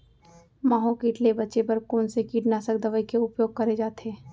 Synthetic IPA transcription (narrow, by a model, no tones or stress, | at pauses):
maːɦõkiːʈlebɐtːʃepɐɾkoːnsekiːʈnaːsəkd̪əʋəikeʊpjoːɡ̚kɐɾed͡ʒaːt̪ʰeː